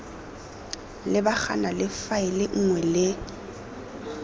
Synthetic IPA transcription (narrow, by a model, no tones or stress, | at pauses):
lɪbak͡xa̰nalɪfaɪlɪŋ̩ŋwɛlɪ